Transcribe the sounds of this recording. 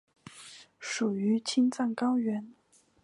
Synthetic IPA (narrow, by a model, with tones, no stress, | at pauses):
ʂu˨˩y˧˥t͡ɕʰi˥nt͡sa˥˩ŋkɑ˥ʊɥɛ˧˥n